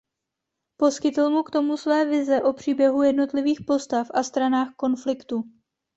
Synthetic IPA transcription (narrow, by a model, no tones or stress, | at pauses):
po̞skɪt̪l̩mukt̪o̞musvɛːvɪzɛʔo̞pr̝̥iːbjɛɦujɛdno̞t̪lɪviːxpo̞st̪afʔast̪ɾanaːxko̞nflɪkt̪u